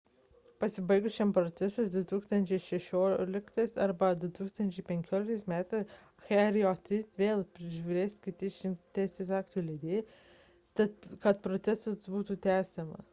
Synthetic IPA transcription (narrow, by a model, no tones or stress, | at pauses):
pɐsʲɪbɐɪɡʊʃʲempɾɔt̪sʲɛsʊsd̪ʲʊt̪uːkst̪ɐnʲt͡ʃʲɛɪʃʲɛʃʲoːlʲɪkt̪ɐsɐɾbɐd̪ʊt̪uːkst̪ɐnʲt͡ʃʲɛɪpʲɛŋʲkʲoːlʲɪk̚t̪ɐɪsmʲæːt̪ɐs | xɛɾʲiɔt̪ʲɪt̪ʲʋʲeːlˠpʲɾʲɪʒʲuɾʲeːsʲkʲɪt̪ʲɪʃʲɪmt̪ʲæɪsʲesɑːkt̪ulʲɛd̪ʲeː | t̪ɐt̪kɐt̪pɾot̪sʲɛsʊsbuːt̪ut̪ʲæːsʲɛmɐ̰